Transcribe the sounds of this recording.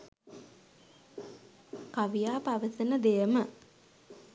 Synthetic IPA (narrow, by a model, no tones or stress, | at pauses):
kaʋijaːpaʋəsənəd̪ejəmə